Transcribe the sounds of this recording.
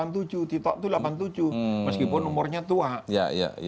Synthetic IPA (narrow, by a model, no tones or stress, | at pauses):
ant̪ud͡ʒuht̪it̪ɔʔ̚t̪ulapant̪̬ud͡ʒuhməskipʊnːumʊrɲat̪uaʔja̰ja̰